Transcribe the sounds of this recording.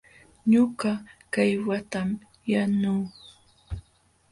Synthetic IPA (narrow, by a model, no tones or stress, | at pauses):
ɲʊɢɑkajwat̪am | januː